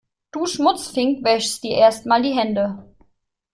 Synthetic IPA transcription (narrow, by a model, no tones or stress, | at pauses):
d̥uːʃmʊt͡sfɪŋkvɛʃstd̥iːɐʔeːɐstmaːldiːɦɛndə